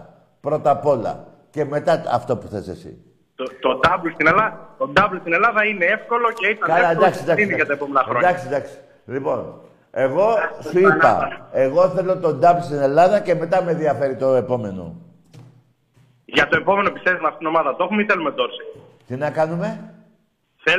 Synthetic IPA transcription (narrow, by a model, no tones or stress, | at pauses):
pɾo̞t̪ɐpo̞lɐ̰ | ce̞me̞t̪ɐɐ̰ft̪o̞pu̥xθesḛsḭ | t̪ot̪od̪ɐblst̪inelɐt̪ond̪ɐblst̪ine̞lɐðɐinee̞fko̞lo̞ceit̪ɐkɐlɐend̪ɐksid̪ɐksinʝɐt̪ɐepomenɐxɾod̪ɐksid̪ɐksi̥ | lipo̞n | e̞ɣo̞suipɐ̰e̞ɣo̞θe̞lo̞t̪o̞nd̪ɐblst̪ine̞lɐðɐce̞me̞t̪ɐmeðiɐfe̞ɾit̪o̞e̞po̞me̞no̞̰ | ʝɐt̪o̞e̞po̞menoepisevimɐft̪it̪ino̞mɐðɐt̪o̞xumeiθe̞lumed̪oɾsi | t̪inɐkɐnume̞ | θe